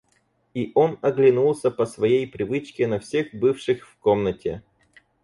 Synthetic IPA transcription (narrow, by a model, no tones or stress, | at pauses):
iʔo̞nɐɡlʲɪnulˠsʲəpəsvɐjejpɾʲɪvɨt͡ɕkʲɪnɐfsʲe̞xbɨfʂɨxfkomnətʲɪ̰